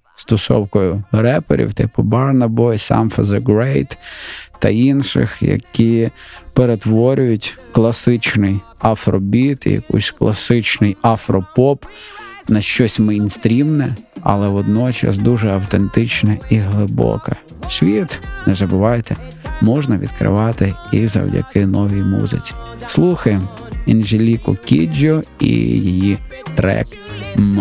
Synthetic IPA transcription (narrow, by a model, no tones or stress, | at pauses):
st̪ɔsɔ̰wkɔjʊɾɛpḛɾʲḭwt̪ɪpʊbɑrnɐbɔjsɑ̰mfɐzɐɡɾɛjt̪t̪ːɐ̰inʃɪ̰xjɐ̰kʲipeɾe̞t̪ʋɔɾʲʊjʊtʲklˠɐsɪt͡ʃnɪjɐfɾɔbʲit̪jɐ̰kṵsʲklˠɐsɪt͡ʃnɪjafɾɔpɔpnɐʃt͡ʃɔsʲmɐjnst̪ɾʲimnɛɐ̰lˠɛʋɔd̪nɔt͡ʃɐ̰sd̪uʒɛɐwt̪ent̪ɪt͡ʃnɐiɦlˠɪbɔ̰kɐ | sʲʋʲit̪nɛzɐbʊʋɑjt̪ʰɛ | mɔʒnɐʋʲḭd̪̚kɾɪ̰ʋɑt̪ɪizɐ̰wdʲɐ̰kɪnɔʋʲijmṵzɪ̰t͡sʲi̥slˠuxɐjem | inʒelʲikʊkʲid͡ʒʲɔḭjijit̪ɾɛ̰k | m